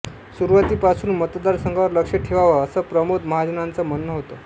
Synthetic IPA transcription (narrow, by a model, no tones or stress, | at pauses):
suɾʋat̪iːpasuːnmət̪d̪aɾsəŋɡaʋəɾləkʂeʈʰeʋaʋəəsəpɾəmod̪məɦad͡ʑənant͡samənːəɦot̪ə